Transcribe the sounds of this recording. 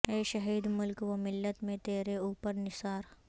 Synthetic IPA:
eːʃɐɦiːd̪mʊlkwɐmɪlːət̪mẽt̪eːɾeuːpəɾnɪsaːɾ

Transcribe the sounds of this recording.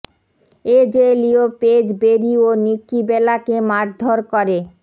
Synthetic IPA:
ed͡ʑelioped͡ʑbeɾionikːibɛlakemaɾd̪ʱoɾkɔɾe

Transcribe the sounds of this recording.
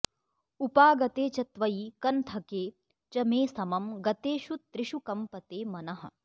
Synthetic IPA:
upaːɡɐt̪eːt͡ʃɐt̪ʋɐjikɐnt̪ʰɐkeː | t͡ʃɐmeːsɐmɐmɡɐt̪eːʃut̪ːɾɪʃukɐmpɐt̪eːmɐnɐɦɐ̰̆

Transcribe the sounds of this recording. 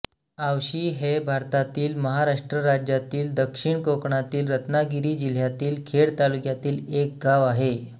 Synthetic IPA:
awɕiːɦebʱaɾt̪at̪iːlməɦaɾaʂʈɾəɾad͡ʑjat̪iːld̪əkʂiɳkokɳat̪iːlɾət̪naɡiɾiːd͡ʑil̤jat̪iːlkʰeɽt̪alukjat̪iːlek̚ɡaʋaɦe

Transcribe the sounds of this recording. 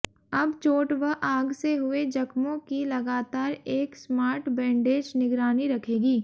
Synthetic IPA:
ɐbt͡ʃoːʈʋɐɦʔaːɡseɦʊed͡ʒɐkmõkilɐɡaːt̪aːɾeːksmaːɾʈbɛ̃ːɳɖeːd͡ʒnɪɡɾaːniɾɐkʰeːɡiː

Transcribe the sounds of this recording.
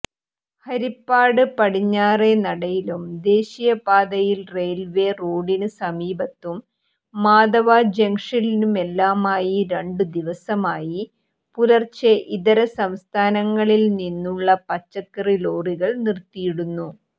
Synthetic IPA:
hɐɾipːaːɽɨpɐɽiɲːaːre̞nɐɽɐjilumd̪e̞ːɕijɐpaːd̪ɐjilre̞ːlʋe̞roːɽinɨsɐmiːbɐt̪ːumː | aːd̪ɐʋad͡ʑeŋʂilinume̞lːaːmaːjiɾe̞ɳɖɨd̪iʋɐsɐmaːji | pulɐrt͡ɕeʔiðɐɾɐsɐmst̪ʰaːnɐŋːɐɭilninːuɭːɐpɐt͡ɕːɐkːɐrilo̞ːriɣɐɭnirt̪ːijiɽunːu

